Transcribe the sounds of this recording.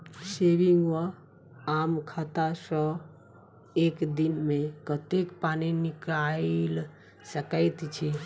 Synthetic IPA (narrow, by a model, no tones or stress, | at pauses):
seʋiŋɡʋə | amkʰat̪asə̃ | ekd̪inmẽkət̪ekpaninikɾal | səkəɪt̪t͡ʃʰi